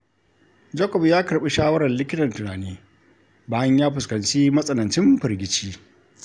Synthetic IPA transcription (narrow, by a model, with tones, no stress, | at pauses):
d͡ʒɐ˦kɔ˨bjaː˦kɐ˨ɾɓi˦ʃaː˦wɐ˦ɽɐ˨nlɪ˦kʲɪ˦tɐ˨ntʊ˨naː˨neː˦ | baː˨jɐ˦ɲjaː˦ɸʊ˨skɐ˨nt͡ʃiː˦mɐ˦sʼɐ˨nɐ˨nt͡ʃɪ˦mɸɐ˨ɾɡʲɪ˨t͡ʃiː˦